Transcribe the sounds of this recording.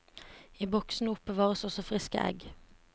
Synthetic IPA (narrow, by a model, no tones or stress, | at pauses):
iːbɔksn̩əʊpəʋɑːʁəsɔsɔfʁɪskə̰ʔɛ̰ɡ